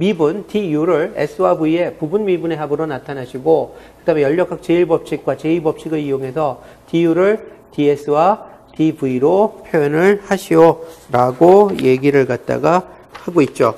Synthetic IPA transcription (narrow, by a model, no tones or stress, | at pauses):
mibuntijuɾɯɭe̞̰s͈ʰɯwabuie̞pubunmibune̞ɦabɯɾonatʰanaɕʰiɡokɯdamejʌʎːʌkʰak̚t͡ɕe̞iɭbʌp̚ɕ͈ʰik̚k͈wat͡ɕe̞iɭbʌp̚t͡ɕ͈ʰiɡɯɭijoŋɦe̞sʰʌtijuɾɯɭtie̞sʰɯwa | tibuiɾopʰjojʌnɯɭhaɕʰijoɾaɡoje̞ɡiɾɯɭkat̚t͈a̰ɡa | haɡoit̚t͡ɕ͈o